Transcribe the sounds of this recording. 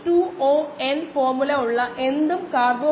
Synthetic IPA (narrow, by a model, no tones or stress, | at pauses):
ʈuːoːenfoːrmulɐuɭːɐʔe̞nd̪umkaːrbo